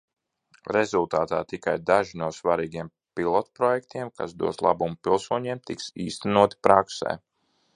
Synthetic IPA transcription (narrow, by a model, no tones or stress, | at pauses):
ɾezulˠt̪aːt̪aːt̪ikajd̪aʒinuɔsvaɾiːɡiɛm | pilˠɔt̪pɾɔjɛkt̪iɛmka̰sd̪ṵɔslˠa̰bumupilˠsuɔɲiɛmt̪iksiːst̪ænuɔt̪i̥pɾaksɛ̰ː